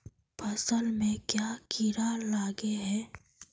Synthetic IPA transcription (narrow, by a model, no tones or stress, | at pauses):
pʰɐsəlmẽkjaːkʰiɾalaːɡeɦɛː